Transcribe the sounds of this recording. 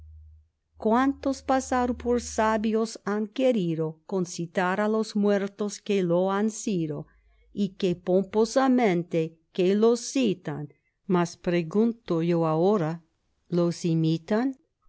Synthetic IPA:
kwant̪ospasaɾpoɾsaβjosaŋkeɾiðokonsit̪aɾalosmweɾt̪oskeloansiðo | ikepomposamẽnt̪e | kelosit̪an | maspɾeɣunt̪ojoaoɾa | losimit̪an

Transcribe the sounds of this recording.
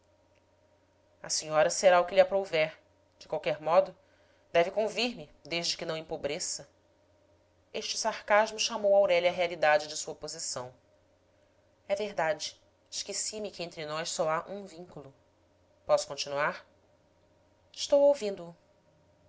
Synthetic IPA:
ɐ̰siɲɔɾɐseɾaʊkɪlɪapɾovɛɾ | d͡ʒɪkwawkɛɾmɔd̪ʊ | d̪ɛvɪkõviɾmɪd̪eʒd͡ʒɪkɪnɐ̃w̃ẽpobɾesɐ | eʃt͡ʃɪsaɾkaʒmʊʃamowawɾɛʎɐːɦealid̪ad͡ʒɪd͡ʒɪsuɐpozisɐ̃w̃ | ɛveɦd̪ad͡ʒɪ | ɪʃkesimɪkɪẽnt̪ɾɪnɔjʃsɔaʔũvĩŋkulˠʊ | pɔsʊ̥kõnt͡ʃinuaɾ | ɪʃt̪owowvĩnd̪ʊː

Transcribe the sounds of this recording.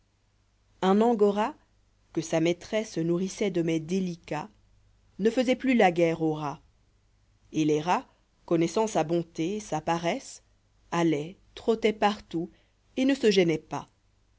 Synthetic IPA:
ɛ̃nɑ̃ɡɔʁa | kəsamɛt̪χɛsənuʁisɛd̪əmɛd̪elika | nəfəzɛplylaɡɛʁoʁa | eleʁa | kɔnɛsɑ̃sabɔ̃t̪esapaʁɛs | alɛt̪χot̪ɛpaʁt̪u | enəsəʒɛnɛpa

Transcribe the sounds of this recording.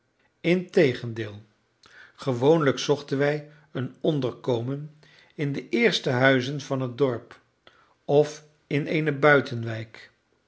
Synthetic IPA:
ɪntejχəndɪːlˠ | χəʋownləksɔχtənʋɛj | ənɔndəɹkowmən | ɪndəʔɪːɹstəɦœɥzənvɑnɦədɔɹp | ɔf | ɪnejnəbœɥtʰənʋɛjk

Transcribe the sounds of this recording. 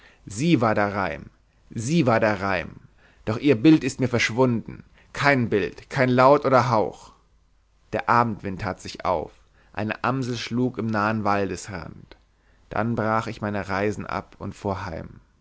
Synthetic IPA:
ziːvaːɐdaːʁaɪm | ziːvaːɐdeːɐʁaɪm | d̥ɔχʔiːɐbɪltɪst̚miːɐfɛɐʃv̥ʊndn̩ | kʰaɪnbɪltkʰaɪnlaʊtʔoːdɐɦaʊx | d̥eːɐʔaːbm̩tv̥ɪntʰːaːtz̥ɪçʔa̰ʊf | ʔa̰ɪnə̰ʔamzl̩ʃluːkɪmnaːənvaldəsʁa̰nt | d̥a̰nbʁaːχɪçmaɪnəʁaɪzn̩ʔa̰pʊntfoːɐɦa̰ɪm

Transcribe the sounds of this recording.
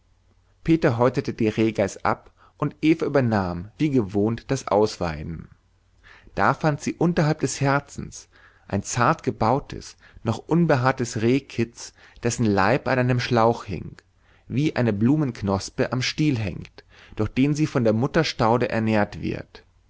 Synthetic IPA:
pʰeːtɐɦɔʏtɐtədeːnʁeːɡaɪsʔa̰p | ʔʊntʔeːfɐʔyːbɐnaːmviːɡəvoːntd̥asʔa̰ʊsv̥a̰ɪdn̩ | d̥aːfantz̥iːʔʊntɐɦalp̚d̥ɛshɛɐt͡sn̩s | ʔaɪnt͡saɐtɡ̥əbaʊtʰə̰s | nɔχʔʊnbəɦaːɐtəsʁeːkʰɪt͡s | d̥ɛsn̩la̰ɪpanʔaɪnəmʃlaʊxhɪ̰ŋ | viːʔaɪnəbluːmənknɔspəʔamʃtiːlɦɛ̰ŋkt | d̥ʊɐxd̥eːnziːfɔndeːɐmʊtɐʃtaʊdəʔɛ̰ɐneːɐtv̥ɪ̰ɐt

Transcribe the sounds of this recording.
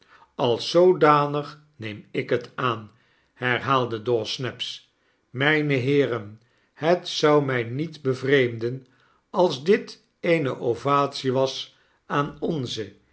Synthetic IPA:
ɑlˠsowdaːnəχ | nejmɪkɦətʰaːn | hɛɹɦaːlˠdədɔsnɛps | mɛjnəɦɪːrən | hətsʌwmɛjnitbəvrejmdən | ɑlˠzdɪt | ejnəʔovaːtsiʋɑs | aːnɔnzə

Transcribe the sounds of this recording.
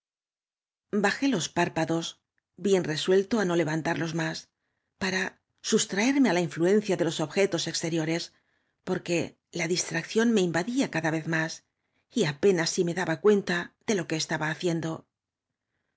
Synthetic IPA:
baxe̞lo̞spaɾpaðo̞z | bje̞nre̞swe̞lt̪o̞ano̞le̞βant̪aɾlo̞zmas | paɾa | sust̪ɾae̞ɾme̞alaiɱflue̞nθjaðe̞lo̞so̞βxe̞t̪o̞se̞kst̪e̞ɾjo̞ɾe̞s | po̞ɾke̞ | laðist̪ɾak̚θjo̞nme̞imbaðiakaðaβe̞θmas | iape̞nasːime̞ðaβakwe̞nt̪aðe̞lo̞ke̞ːst̪aβaːθje̞nd̪o̞

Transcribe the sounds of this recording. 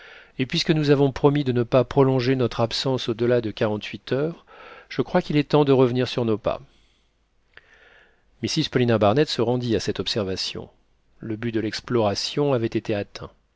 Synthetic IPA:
epɥiskənuzavɔ̃pχɔmid̪ənəpapχɔlɔ̃ʒenɔt̪χapsɑ̃sod̪əlad̪əkaʁɑ̃t̪ʰɥit̪ʰœːʁ | ʒ̥əkχwakʲilɛt̪ɑ̃d̪əʁəvniʁsyʁnopa̰ | misizpɔlinabaʁnɛt̪səʁɑ̃d̪iasɛt̪ɔpsɛʁvasjɔ̰̃ | ləbyd̪əlɛksplɔʁasjɔ̃avɛt̪et̪eat̪ʰɛ̰̃

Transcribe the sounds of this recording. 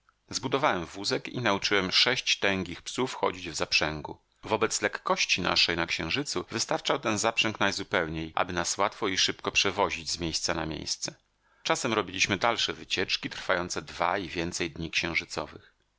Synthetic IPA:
zbud̪ɔvawɛmvuzɛkḭnaut͡ʂɘwɛmʂɛɕt͡ɕt̪ɛŋɡʲixpsufxɔ̰d͡ʑid͡ʑvzapʂɛŋɡṵ | vɔbɛt̪slɛkːɔɕt͡ɕina̰ʂɛjnakɕɛ̃w̃ʐɘt̪suvɘst̪aɾt͡ʂawt̪ɛnzapʂɛŋknajzupɛwɲejʔa̰bɘnaswat̪fɔiʂɘpkɔpʂɛvɔʑid͡ʑzmʲjejst̪sana̰mʲjḛjst̪sɛ | t͡ʂasɛmɾɔbʲilʲiɕmɘd̪alʂɛvɘt͡ɕɛt͡ʂkʲit̪ɾfajɔnt̪sɛd̪va̰ivʲjɛnt̪sɛjd̪ɲikɕɛ̃w̃ʐɘt̪sɔ̰vɘ̰x

